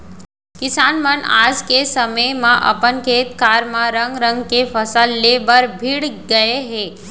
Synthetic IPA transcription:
kɪsaːnməna̰ːd͡ʒkesəməjmãʔə̰pənkʰeːt̪kaːɾmãɾə̃ŋɡɾə̃ŋɡkefəsəlːebəɾbʱiɽɡəeɦe

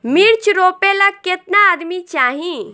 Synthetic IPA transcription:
miɾt͡ʃɾopeləkkːet̪naəd̪mit͡ʃaːɦĩ

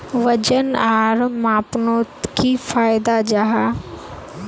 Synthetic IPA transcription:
ʋɐd͡ʒənaːɾmaːpnoːt̪kʰifaːɪd̪ad͡ʑaɦaː

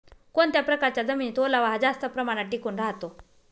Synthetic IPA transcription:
kont̪japɾəkaɾt͡ɕjad͡zəmiit̪olaʋaɦad͡zast̪əpɾəmaɽ̃aʈikuːnɾaɦt̪o

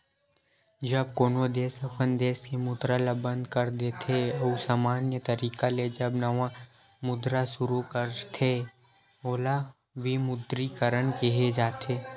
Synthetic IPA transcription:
d͡ʒɐb̚koːnod̪eːsɐpʰənd̪eːskemʊd̪ɾalabə̃nd̪kɐɾd̪eːt̪ʰeousaːmaːnjət̪ɐɾiːkaled͡ʒɐbnɐʋã | mʊd̪ɾasʊɾukəɾt̪ʰe | oːla | bimʊd̪ɾikəɾənkeɦed͡ʒaːt̪ʰeː

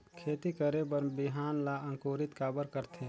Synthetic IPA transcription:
kʰeːt̪ikəɾebəɾbɪɦaːnlaə̃ŋkoːɾɪt̪kaːbəɾkəɾt̪ʰẽ

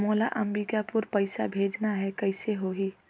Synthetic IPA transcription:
moːla̰ʔɐ̃mbikapʊɾpɐɪsa̰bʱeːd͡ʒnaɦɛkɐɪseɦoɦiː

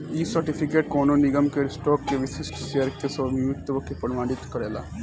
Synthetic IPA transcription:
iːsəɾʈipʰɪkeːʈ̚koːnonɪɡəmkeɾsʈoːkːeʋɪʃɪsʈʰʃeəɾkesəmimikt̪ːəbəkʰepəɽmaːɖɪt̪kəɾeːla̰ː

